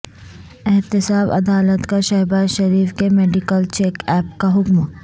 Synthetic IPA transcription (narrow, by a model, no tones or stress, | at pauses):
ɪɦt̪ɪsaːbɐ̰d̪aːlət̪kaʃɐːbaːzʃɐɾiːfkemeːɖɪkəlt͡ʃeːkɛːp̚kaɦʊkm